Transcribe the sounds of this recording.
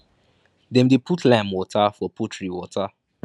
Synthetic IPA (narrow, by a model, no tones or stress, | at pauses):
dɛ̃mdepʰutlãmwɔtʰafɔputɹiwɔta